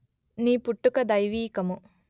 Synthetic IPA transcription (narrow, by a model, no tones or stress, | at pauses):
niːpuʈːukɐd̪ɐjʋiːkɐmu